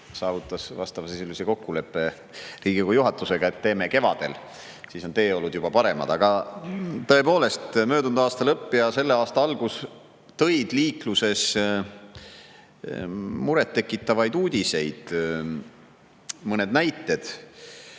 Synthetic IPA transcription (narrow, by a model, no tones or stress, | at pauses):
sɑːvut̪ːˑɑsvɑ̰st̪ɑvɑseselʲːiseko̞kːule̞pːˑe̞ | riːɡ̥ikojuɦɑt̪ːˑuse̞ɡ̥ɑe̞t̪ːe̞ːmeke̞vɑ̰d̪̥e̞l | siːso̞nt̪e̞ːo̞lːud̪jub̥ɑpɑɾe̞mɑ̰d̪̥ɑɡ̥ɑ | t̪ɤ̞e̞po̞ːle̞st̪møːd̪und̪uɑːst̪ɑlɤpːijɑse̞lːeɑːst̪ɑɑlɡ̥us | t̪ɤ̞jd̪̥liːkluse̞s | muɾet̪ːe̞kːˑit̪ːˑɑvɑjd̪uːd̪ʲise̞jd̪̥ | mɤne̞d̪næjt̪ːˑe̞d̪̥